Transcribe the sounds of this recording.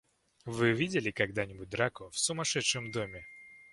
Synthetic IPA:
vɨvʲidʲɪlʲɪkɐɡd̪anʲɪbʊt̚ʲd̪ɾakʊfsʊmɐʂɛt̪ʂɨmd̪omʲɪ

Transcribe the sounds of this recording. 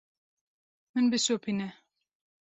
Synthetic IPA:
mɨnbɨsopʰinɛ

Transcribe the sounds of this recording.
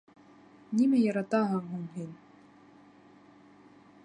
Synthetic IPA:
nʲimæjɑɾɑt̪ɑɦɤŋɦuŋɦinʲ

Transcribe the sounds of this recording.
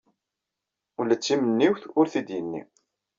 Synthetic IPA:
ulæt͡sːimənːiwθʊɾθid̪jənːḭ

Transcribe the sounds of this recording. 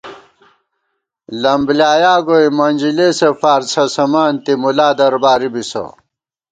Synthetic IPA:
lɐmbljaːjaːɡojmɐnʲd͡ʑilesefaːɾt͡sʰɐsɐmaːnt̪imulaːd̪ɐɾbaːɾibiso̰

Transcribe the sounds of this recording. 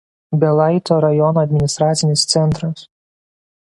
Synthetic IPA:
bʲɛlˠɐɪt̪oːɾɐjɔnoːɐd̪ʲmʲɪnʲɪst̪ɾɑːt̪sʲɪnʲɪst̪sʲɛnˑt̪ɾɐs

